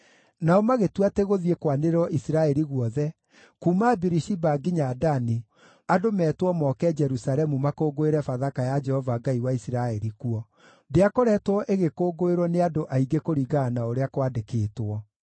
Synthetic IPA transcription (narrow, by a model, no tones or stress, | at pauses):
naɔmaɣetwateɣoðiekwaneɾwɔʔisiɾaɛɾiɣwɔðɛ | kuːmabiɾiʃibaɡiɲadani | adomɛːtwɔmɔkɛd͡ʒɛɾusaɾɛmumakoːɡoeɾɛfaðakajad͡ʒɛhɔvaɡaiwaisiɾaɛɾikuɔ | deakoɾɛtwɔʔeɣekoːɡoeɾwɔneadoʔaiɡekoɾiɡaːnaoɾeakwadekeːtwɔ